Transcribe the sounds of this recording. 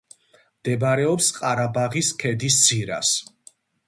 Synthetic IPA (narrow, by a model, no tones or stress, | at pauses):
md̪̥ɛbaɾɛɔpsqʼaɾabaʁiskʰɛd̪isd̪z̥iɾa̰s